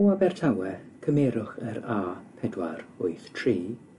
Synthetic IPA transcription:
wabɛrtʰawɛkʰəmɛːɾʊχəɾaːpʰɛdwarʊɨθtʰriː

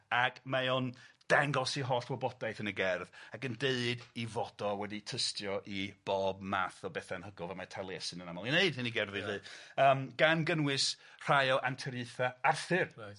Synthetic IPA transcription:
aɡmajond̥ɛŋɡɔsiɦɔːɬbɔbɔdajθənəɡɛrðaɡəndeɨdivɔdɔwɛditʰəstjɔʔib̥ɔːbmaːθɔbɛθanhəɡɔvamatʰalˠjɛsɨnənamɔlˠineɨd̥hɨniɡɛrðɨðɨːəːmɡ̥anɡənwɨs | r̥ajɔʔantʰɛɾɨθaarθɨr

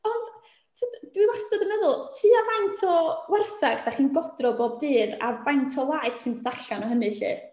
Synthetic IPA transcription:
ɔnd̥ | tʰiːdd̥wiwastɔdəmɛðʊlˠtʰiːavajntʰɔwɛrθaɡd̥aχiːnɡɔdrɔboːb̚dɨːda̰vajntʰɔlajθsɨnbðaɬanɔɦənɨɬḭː

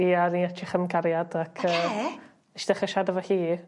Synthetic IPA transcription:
iːaɾiatʰɪχəmɡaɾjadakʰəː | ɛʃd̥ɛχəʃadəvɔhiː

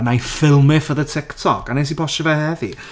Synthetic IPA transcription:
najfɪlˠmɪfəðətʰɪktʰɔkanes̬ipʰɔʃəvɛhɛði

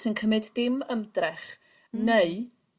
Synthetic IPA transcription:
sɪnkʰəmɪdːɪməmdrɛχ | neɨ

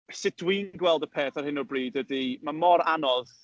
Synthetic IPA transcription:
sɪd̥wiːnɡwɛlˠdəpʰeːθarɦɪnɔbriːdədimamɔɾanɔð

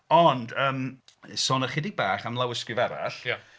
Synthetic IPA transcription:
ɔndəːmsɔnəχɪdɪɡ̚baːχamlˠawəskɪvɛɾa̰ɬja

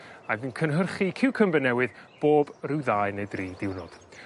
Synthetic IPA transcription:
aɡənkʰənɦərχikʰɪwkʰəmbɛnɛwɨðb̥oːbrɪwðaːɨnejdriːdɪwnɔd̥

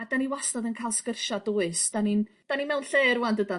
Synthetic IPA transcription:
adaniwastɔðənkʰajlˠskərʃadɔːɨsd̥anind̥aninmɛwnɬeːɾuwandəda

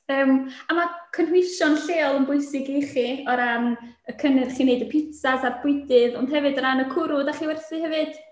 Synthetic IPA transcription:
əːmamakʰənhwɪʃɔnɬeːɔlˠənbʊɨsɪɡiχiɔɾam | əkʰənɛr̥χiːneɨdəpʰɪtasarb̥ʊɨdɨðɔnd̥ɦɛvɨdəɾanəkʰʊɾʊdaχiːwɛrθɨhɛvɨd̥

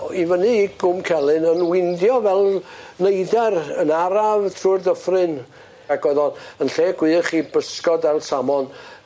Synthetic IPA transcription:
ivənɨiɡʊmkʰɛlˠɨnənwɪndjɔvɛlˠnejdɛrənaɾavtʰrurdəfrɨn | ɛɡɔðɔnənɬeːɡ̥wɨːχibəskɔdɛlˠsamɔn

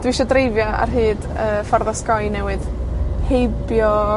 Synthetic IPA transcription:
d̥wiiʃɔdrejvjɔa̰rɦɨːd | əːfɔrðɔskɔjnɛwɨd̥hejbjɔ

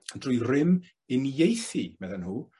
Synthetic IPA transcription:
ənd̥rʊjrɪm | ɪnjejθimɛðənhuː

